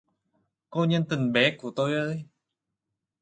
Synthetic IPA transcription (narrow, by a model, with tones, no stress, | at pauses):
ko˧ɲə˧nt̪i˨˩ŋɓɛ˨˦ku˧˩ət̪o˧jʔəː˧j